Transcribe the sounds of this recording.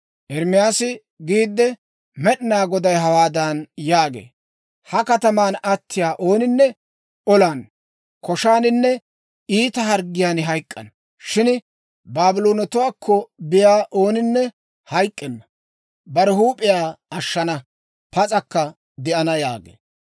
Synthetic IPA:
ʔɛɾmɪjaːsɪ | ɡiːd̪ːɛ | mɛɗɪnaːɡɔd̪ɐjɦɐwaːd̪anjaːɡḛː | hɐkɐt̪ɐmaːnɐt̪ːɪjaːʔo̞ːnɪnːɛ | ɔlaːn | kɔʃaːnɪnːɛ | iːt̪ɐɦɐɾɡɪjaːnɦɐjkʼːɐ̰n | ʃɪn | baːbɪloːnɔt̪ʊwaːkʰːɔbɪjaːʔo̞ːnɪnːɛ | hɐjkʼːɛnːɐ | bɐɾɛhuːpʼɪjaːɐʃːɐnɐ | pɐt͡sʼɐkːɐ | d̪ɛʔɐnɐja̰ːɡḛː

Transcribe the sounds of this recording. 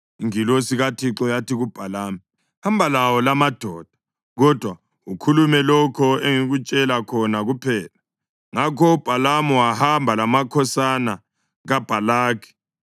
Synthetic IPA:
ŋilosiɣatʰiǁɔjatʰiɣub̥ʱalaːmi | hambʱalawɔlamad̥ʱɔːd̥ʱḁ | ɣɔd̥ʱwa | ukʰulumɛlɔkʰɔeŋiɣut͡ʃʼɛlakʰɔnaɣupʰɛːla | ŋakʰɔub̥ʱalamɔwahambʱalamakʰɔsana | ɣab̥ʱalaːkʰi̥

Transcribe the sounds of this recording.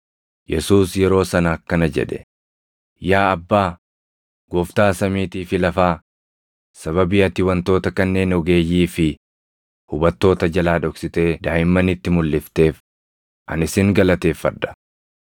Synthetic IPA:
jɛsuːsjɛɾo̞ːsɐnɐːkːɐnɐd͡ʒɛ̰ᶑɛ̥ | jaːɐbːaː | ɡ̥ɔːft̪aːsɐmiːt̪iːfɪlɐfaː | sɐβɐbɪʔɐt̪ɪwɐnt̪o̞ːt̪ɐkɐnːe̞ːnɔɡe̞ːjːiːfɪ | hʊbɐt̪ːo̞ːt̪ɐd͡ʒɐlaːᶑɔksɪt̪e̞ːd̪aːjɪmːɐnɪt̪ːɪmʊlːɪft̪e̞ːf | ʔɐnɪsɪŋɡɐlɐt̪e̞ːfːɐ̰d̪ɐ̥

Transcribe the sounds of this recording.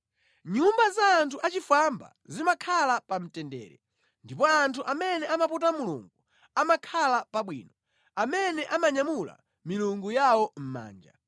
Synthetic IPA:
ɲumbazaːntʰuʔat͡ʃifamba̰zimakʰalapam̩tɛndɛ̰ːɾɛ̰ | ndipɔantʰuʔamɛnɛamaputamulṵŋɡu | amakʰalapaɓwḭːnɔ | amɛnɛʔamaɲamula̰ | miluŋɡujawɔm̩ma̰ːnd͡ʒa̰

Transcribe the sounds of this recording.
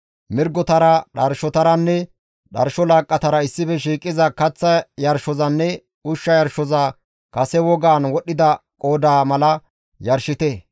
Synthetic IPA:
mɪɾɡɔt̪ɐɾɐɗɐɾʃɔt̪ɐɾɐnːɛ | ɗɐɾʃɔlaːkʼːɐt̪ɐɾɐɪsːɪfɛʃ̬iːkʼːɪzɐkɐt͡sːɐjɐɾʃɔzɐnːɛ | ʊʃːɐjɐɾʃɔzɐ | kɐsɛwɔɡaːnwɔɗɪd̪ɐkʼoːd̪aːmɐlɐ | jɐɾʃɪt̪ɛ

